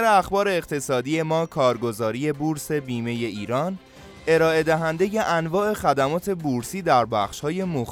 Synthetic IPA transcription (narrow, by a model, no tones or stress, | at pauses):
ɾeæxbɒːɾe̞ːqt̪ʰe̞sɒːd̪ije̞mɒːkʰɒːɾɡo̞zɒːɾije̞buɾse̞biːme̞je̞iːɾɒːn | e̞ɾɒːe̞d̪æɦænd̪e̞je̞ʔænvɒːʔe̞xæd̪æmɒːt̪ʰe̞buɾsiːd̪æɾbæχʃhɒːje̞mox